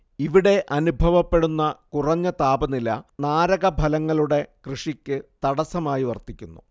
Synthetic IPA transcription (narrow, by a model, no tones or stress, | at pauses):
iʋiɽe̞ʔɐnubʱɐʋɐpːe̞ɽunːɐkurɐɲːɐt̪aːbɐnilɐ̰naːɾɐɣɐbʱɐlɐŋːɐɭuɽe̞krɨʂikʲːɨt̪ɐɽɐsɐmaːjiʋɐrt̪ikʲːunːṵ